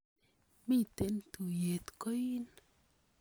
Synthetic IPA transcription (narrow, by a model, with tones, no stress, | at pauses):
mi˦˨t̪e˨˦nt̪u˨je˨t̪kɔ˦ji˦n